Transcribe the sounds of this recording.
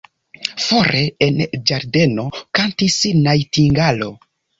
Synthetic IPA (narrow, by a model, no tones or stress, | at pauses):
fo̞ɾʔe̞end͡ʒaɾde̞no̞kantisnajtiŋɡalo̞̰